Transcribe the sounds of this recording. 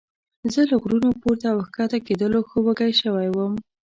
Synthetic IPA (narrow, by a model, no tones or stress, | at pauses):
zələɣɾunopuɾt̪aːwxkɑt̪aked̪əloxəwəɡajʃəwajwəm